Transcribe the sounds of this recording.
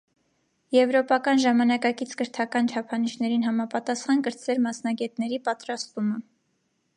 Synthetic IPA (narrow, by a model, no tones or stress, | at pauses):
jɛvɾɔpɑkɑnʒɑmɑnɑkɑkit͡sʰkəɾt̪ʰɑkɑnt͡ʃʰɑpʰɑniʃnɛɾinɦɑmɑpɑt̪ɑsχɑnkəɾt͡svɛɾmɑsnɑɡɛt̪nɛɾipɑt̪ɾɑst̪umə